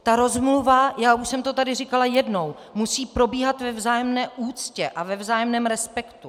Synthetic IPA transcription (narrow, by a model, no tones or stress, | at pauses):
t̪aɾo̞zmluvajaːʔuʃsɛmt̪o̞t̪adɪrɪkalajɛdno̞w | musiːpɾo̞biːɦat̪vɛvzaːjɛmnɛːʔuːt͡scɛʔavɛvzaːjɛmnɛːmɾɛspɛkt̪u